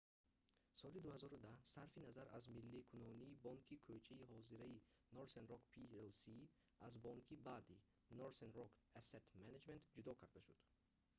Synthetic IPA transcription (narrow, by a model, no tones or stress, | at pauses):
sɔlid̪uhazɔɾud̪ahsaɾfinazaɾa̰zmilːikʰunɔniːbɔŋkʰikʰøt͡ʃʰaiɦɔziɾainoɾsenɾɔkpʰielsi | azbɔŋkʰibaːd̪i | noɾsenɾɔkʰaset̪maned͡ʒment̪d͡ʒud̪ɔkʰaɾd̪aʃud̪̥